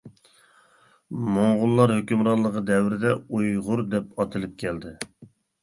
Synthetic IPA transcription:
moɴʁʊlˠːɑɾhøkʲymɾɑɾlˠːəqəd̪ɛwɾɪd̪ɛujʁʊɾd̪ɛpɑt̪ʰɨlɪp̚kʲʰɛld̪ɪ

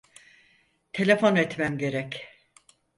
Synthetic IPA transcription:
t̪ʰe̞lʲe̞fo̞nɛt̪mæmɟe̞ɾɛc

